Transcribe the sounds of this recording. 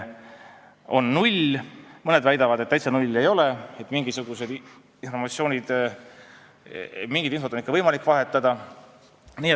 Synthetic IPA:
o̞nːulʲmɤne̞d̪væjd̪ɑvɑd̪̥et̪ːæjt̪sɑnulʲːe̞jo̞le̞et̪ːˑmiŋɡ̥isuɡ̥use̞d̪ | info̞rmɑt̪sio̞ːnʲid̪̥ | miŋɡ̥id̪info̞t̪onikːɑvɤjmɑlikːˑvɑɦe̞t̪ːˑɑd̪̥ɑ | niːe

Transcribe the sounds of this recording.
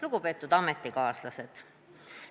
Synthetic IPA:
luɡ̥upe̞ːt̪ːˑud̪ɑmet̪ːˑikɑːslɑse̞d̪̥

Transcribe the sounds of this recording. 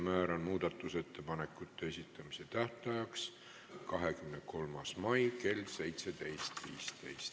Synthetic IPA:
mæːɾɑnmuːd̪̥ɑt̪ːˑuse̞t̪ːe̞pɑnekːˑut̪ːeesit̪ˑːɑmise̞t̪æht̪ɑjɑks | kɑɦekymneko̞lmɑsmɑjke̞lse̞jt̪se̞d̪e̞jst̪viːst̪e̞̰jst̪

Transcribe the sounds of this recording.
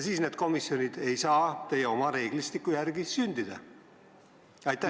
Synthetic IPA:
siːsne̞d̪̥̚ko̞misjo̞nʲid̪̥e̞jsɑːt̪e̞jeo̞mɑɾe̞ːɡ̥list̪ikːˑujærɡ̥isynʲd̪̥id̪̥ɑ̰ | ɑjt̪ˑæ

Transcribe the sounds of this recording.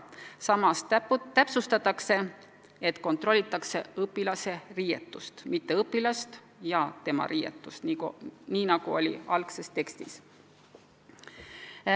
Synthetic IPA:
sɑmɑst̪æpsust̪ɑt̪ːˑɑkse̞ | et̪ko̞nt̪ro̞lʲːit̪ːˑɑkse̞ɤpːilɑse̞riːjet̪ːˑust̪mit̪ːe̞ɤpːilɑst̪ | jɑt̪e̞mɑ̰ɾijḛt̪ːˑust̪niniːnɑɡ̥uo̞lʲḭɑlkse̞st̪e̞kst̪is

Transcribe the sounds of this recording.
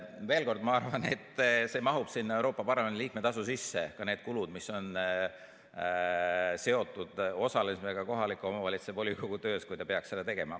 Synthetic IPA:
ve̞ːlko̞rd̪mɑɑrvɑne̞̰t̪ːˑse̞mɑɦub̥sinːɑe̞wɾo̞ːpːˑɑpɑrlɑmeniliːk̚met̪ɑs̬usisːe̞kɑne̞ːd̪̥kulud̪miso̞n | se̞o̞t̪ːˑud̪̥o̞sɑlesmeɡ̥ɑko̞ɦɑlikːˑuo̞mɑvɑlʲit̪sepo̞lʲikoɡ̥ut̪ø̞ːskujt̪ɑpeɑkselet̪e̞ɡ̥e̞mɑ

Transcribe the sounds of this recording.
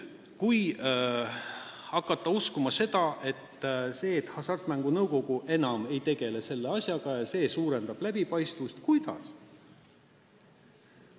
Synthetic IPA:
kuj | ɑkːˑɑt̪ːɑuskumɑse̞d̪̥ɑʔe̞t̪ːse̞ːt̪hɑsɑrt̪mæŋɡ̥unɤwko̞ɡ̥uʔe̞nɑme̞jt̪e̞ɡ̥e̞le̞se̞lːe̞ɑsʲjɑɡ̥ɑjɑse̞ːsuːɾe̞nd̪̥ɑb̥læbipɑjst̪vust̪kujd̪̥ɑ̰s

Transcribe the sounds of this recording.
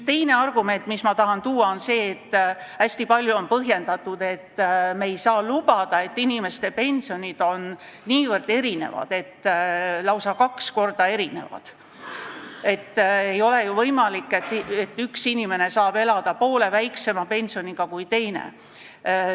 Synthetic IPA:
t̪e̞jne̞ɑrɡ̥ume̞nt̪ːˑmismɑt̪ɑɦɑnt̪uːɑo̞nse̞ːt̪ː | æsʲt̪ipɑlʲjuonpɤɦje̞nd̪ɑt̪ːud̪̥e̞t̪ːmeːjsɑːlub̥ɑd̪̥ɑe̞t̪ːinime̞st̪e̞pe̞nʲsio̞nʲid̪̥o̞nniːvɤrd̪̥e̞ɾine̞̰vɑ̰d̪̥e̞t̪ːlɑwsɑkɑksko̞rd̪̥ɑe̞ɾine̞̰vɑ̰d̪̥ | e̞t̪ːejo̞le̞juvɤjmɑlikːˑet̪ːet̪ːˑyksinʲime̞ne̞sɑːb̥e̞lɑd̪̥ɑpo̞ːle̞væjkse̞mɑpe̞nʲsio̞nʲiɡ̥ɑkujt̪e̞jnḛ

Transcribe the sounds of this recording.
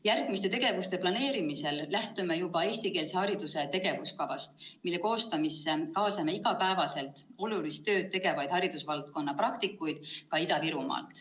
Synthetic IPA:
jærɡ̥mist̪e̞t̪e̞ɡe̞vust̪e̞plɑne̞ːɾimise̞llːæht̪umejub̥ɑe̞ːsʲt̪ike̞ːlse̞hɑɾid̪̥use̞t̪e̞ɡ̥e̞vuskɑvɑst̪milːe̞ko̞ːst̪ɑmisːekɑːsɑme̞iɡ̥ɑpæevɑse̞lt̪ˑo̞lulist̪ːø̞ːt̪̚t̪ːe̞ɡ̥e̞vɑjd̪̥hɑɾid̪usvɑlt̪̚ko̞nːɑprɑk̚t̪ikːˑujd̪̥̚kɑid̪ɑviɾumɑ̰ːlt̪ˑ

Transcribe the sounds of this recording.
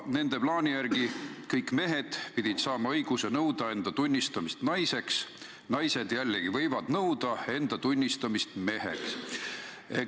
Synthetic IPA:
ne̞nd̪̥e̞plɑːnʲijærɡ̥ikɤjkːˑme̞ɦe̞d̪̥pid̪̥ʲid̪̥sɑːmɑɤjɡ̥use̞nɤwd̪ɑe̞nd̪̥ɑt̪unʲːist̪ɑmist̪nɑjse̞ks | nɑjse̞d̪̥jælːeɡ̥ivɤ̞jvɑd̪̥nɤwd̪̥ɑe̞nd̪̥ɑt̪unʲːist̪ɑmist̪me̞ɦḛks | e

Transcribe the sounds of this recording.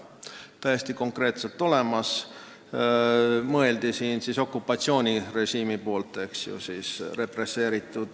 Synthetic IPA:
t̪æjest̪iko̞ŋkre̞ːt̪se̞lt̪ːˑo̞le̞mɑs | mɤe̞ld̪̥isiːnsiso̞kːupːˑɑt̪sio̞ːnʲire̞ʃiːmipo̞ːlt̪ːˑe̞ksjṵsiːsre̞pre̞sːe̞ːɾit̪ˑːud̪̥

